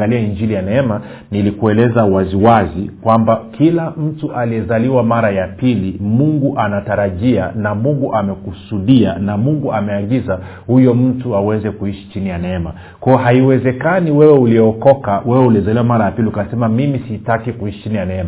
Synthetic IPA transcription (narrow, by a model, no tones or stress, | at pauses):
ɡaliaiɲd͡ʒilijanɛɛma | nilikuɛlɛzawaziwazikwambakʰilam̩tuʔaliɛzaliwamaɾajapilimuŋɡuʔanataɾaʄianamuŋɡuʔamɛkusuɗianamuŋɡuamɛaɠiza | hujɔm̩tuawɛnzɛkuiʃi̥t͡ʃinijanɛɛma̰ | kwɔɔɦaiwɛzɛkaniwɛwɛuliɔkɔkawɛwɛuliɛzaliwamaɾajapiliukasɛmamimisitakikuiʃit͡ʃinijanɛɛma